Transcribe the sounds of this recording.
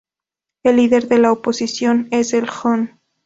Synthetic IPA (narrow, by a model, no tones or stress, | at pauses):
elːiðe̞ɾðe̞laopo̞sisjo̞ne̞selxon